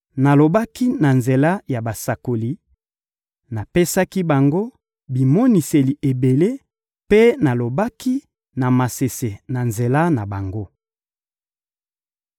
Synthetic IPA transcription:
na˨lo˨ba˦ki˦na˨nze˨la˦ja˨ba˨sa˨ko˨li˨ | na˨pe˦sa˦ki˦ba˨ŋɡo˦ | bi˨mɔ˦ni˨se˨li˨ʔe˨be˨le˦ | pe˦na˨lo˨ba˦ki˦ | na˨ma˨se˨se˨na˨nze˨la˦na˨ba˨ŋɡo˦

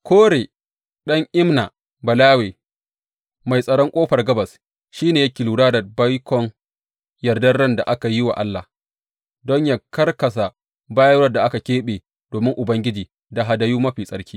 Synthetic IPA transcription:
kʰʷoː˦ɽeː˨ | ɗɐ˦ŋʔɪ˦mna˨ | bɐ˨laː˦weː˨ | ma˨jsʼɐ˨ɽɔ˦ŋkʷʼoː˦ɸɐ˨rɡɐ˦bɐ˨s | ʃiː˦neː˨ja˦kʲɪ˨luː˨ɽaː˦da˨ba˦jkʰʷɔ˨ŋ | jɐ˨rdɐ˦rːɐ˦nda˨ʔa˦ka˨jɪ˦wa̰˨ʔa˦lːa˨h | dɔ˦ɲja˦kɐ˦rkɐ˨s̬a˨ | baː˦jɐ˦wɐ˦rda˨ʔa˦ka˨kʲeː˦ɓeː˨ | d̥oː˨mɪ˦ŋʔʊ˨bɐ˦ŋɡʲɪ˦d͡ʒiː˨ | da˨ɦa˨da˦juː˦mɐ˦ɸiː˨sʼɐ˨ɾkʲʰiː˦

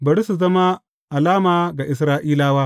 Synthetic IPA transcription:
bɐ˨ɽi˦su˨zɐ˦ma˦ | ʔa˨laː˦maː˨ɡa˨ʔɪ˨s̬ɾaː˦ʔiː˦laː˦waː˦

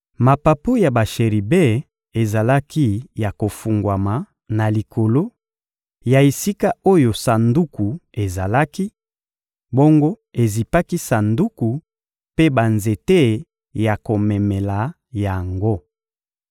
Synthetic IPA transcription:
ma˨pa˨pu˦ja˨ba˨ʃe˨ʁi˨be˦˨ | e˨za˨la˦ki˦ja˨ko˨fu˨ŋɡwa˨ma˨ | na˨li˨kʰo˨lo˦ | ja˨e˨si˦ka˦o˦jo˨sa˨ndu˦ku˨e˨za˨la˦ki˦ | bo˦ŋɡo˦ | e˨zi˨pa˦ki˦sa˨ndu˦ku˨ | pe˦ba˨nze˨te˦ | ja˨ko˨mɛ˨me˨la˨ | ja˨ŋɡo˦

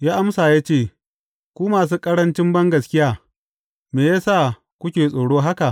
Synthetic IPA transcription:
jaː˦ʔa˦msaː˨jaː˦t͡ʃeː˦˨ | kʷuː˦maː˨s̬uː˦kʼɐ˦ɽɐ˦nt͡ʃɪ˦mbɐ˦ŋɡɐ˨skʲɪ˦jaː˦ | meː˨jaː˦saː˦˨ | kʷʊ˦kʲeː˨sʼoː˨ɽoː˦ɦa˦ka˨ʔ

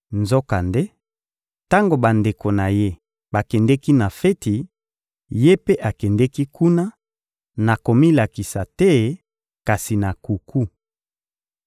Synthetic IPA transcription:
nzo˦ka˨nde˦ | ta˦ŋɡo˨ba˨nde˨ko˨na˨je˦ | ba˨kɛ˨ndɛ˦ki˦na˨fɛ˦ti˨ | je˦pe˦ʔa˨kɛ˨ndɛ˦ki˦kʰu˦na˦ | na˨ko˨mi˦la˨ki˨sa˨tɛ˦ | ka˨si˨na˨ku˨kʰu˦

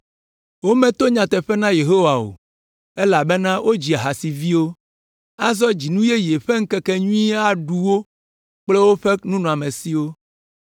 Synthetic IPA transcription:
wo˦mɛ̃˦t̪o˦ɲã˨t̪ɛ˨ɸɛ˦nã˦je˨ɦo˦wa˨wo̰˨ | e˦la˨be˦nã˦wʔo˦d͡ʑi˨a˨ɦa˨si˨vi˦wo˦ | a˦zɔ˦d͡ʑi˨nũ˦je˦je˨ɸe˦ŋ̩˦kɛ˦kɛ˦ɲũ˦ĩ˦a˦ɖu˨wo˦ | k͡ple˦wo˦ɸe˦nũ˦nɔ̃˨a˨mẽ˨si˦wo˦

